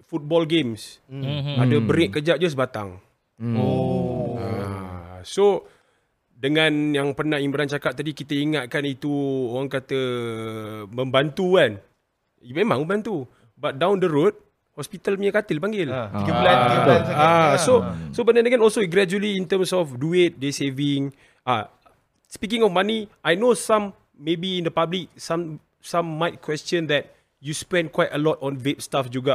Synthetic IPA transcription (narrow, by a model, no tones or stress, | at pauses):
fut̪̚bɔlɡems | adəbəɾek̚kːəd͡ʒaʔ̚d͡ʒəs̬bat̪a̰ŋ | o | a | so | dəŋãnjaŋpərnahiŋbəɾant͡ʃakap̚t̪adikit̪əiŋat̪̚kanit̪uoɣaŋkat̪ə | məmbant̪ukan | iemãŋmə̃mbant̪u | bat̪̚dawndəɾot̪̚ | hɔspit̪almiəkat̪ɪlpaŋɡɪl | asosobənadaɡɛ̃nɔlsoiɡɾɛd͡ʒuəliːnt̪əmsɔfduet̚desevĩŋ | a | spik̬ĩŋɔfmaniajnosãmː | ebĩːndəpablik̚sãm | sãmːajt̚kwɛstjə̃nd̪ɛt̚ | juspɛ̃nkwajtəlɔtɔ̃nvep̚stafd͡ʒuɡa